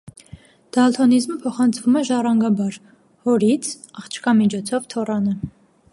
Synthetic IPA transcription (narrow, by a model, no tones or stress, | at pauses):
d̪̥ɑlt̪ʰɔnizməpʰɔχɑnt͡sʰvumɛʒɑrɑŋɡɑbɑɾ | hɔɾit͡sʰ | ɑχt͡ʃʰkɑmit͡ʃʰɔt͡sʰɔvt̪ʰɔrɑnə